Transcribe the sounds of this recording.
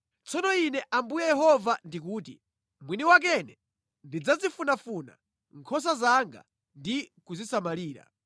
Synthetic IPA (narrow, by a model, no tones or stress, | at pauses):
t͡sɔnɔinɛʔambujɛjɛɦɔvandik̬uːtḭ | mwiniwak̬ɛnɛ | ndid͡zazifunafuna̰ | ŋkʰɔs̬azaŋɡa̰ | ndikuzisamaliːɾa̰